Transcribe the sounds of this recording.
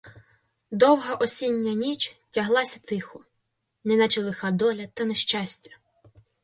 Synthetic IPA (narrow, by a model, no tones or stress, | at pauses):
d̪ɔwɦɐʔɔsʲinʲːɐnʲit͡ʃtʲɐɦlˠɑsʲɐt̪ɪxʊ | nɛnat͡ʃelˠɪxad̪ɔlʲɐt̪ɐneʃt͡ʃasʲtʲɐ̥